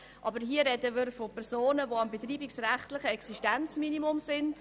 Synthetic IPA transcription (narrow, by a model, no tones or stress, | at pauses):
ʔɑbəɾɦiːəɾɛdəmɪɾfopʰɛɾz̥oːnəvoɑmbet̪riːbiksræχtlɪχəɛksiʃtænt͡sminimʊmsɪnd